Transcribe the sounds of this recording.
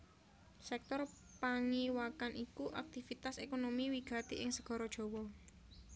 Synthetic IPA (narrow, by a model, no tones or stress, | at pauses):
sɛk̚t̪ɔr | paŋiwakanʔikuʔak̚t̪ifit̪asekonomiwiɡ̥ä̤t̪eʔɪŋsəɡ̥ɔ̤ɾɔd̥ʒ̥ɔ̤wɔ